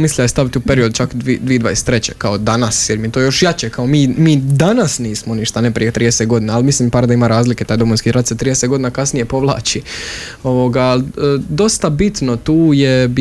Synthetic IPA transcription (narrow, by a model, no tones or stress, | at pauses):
mislʲʎast̪aʋit̪ʲiupe̞ɾio̞d̪ut͡ʃakd̪ʋid̪ʋiːd̪ʋa̰jest̪ːɾet͡ɕḛkao̞d̪anasjeɾmit̪oːjo̞ʃjat͡ɕekao̞miːmiːd̪anasniːsmo̞niʃt̪anepɾijet̪ɾiːdeset̪ɡo̞d̪iːnaːlmisliːmpaɾad̪aimaɾaːzlike̞t̪aːjd̪o̞mojnskiːɾat̪set̪ɾij̪eset̪ɡo̞d̪inakasnije̞po̞ʋlˠa̰ːt͡ɕi | o̞ʋoɡaːlːd̪o̞st̪abit̪no̞t̪uːjeb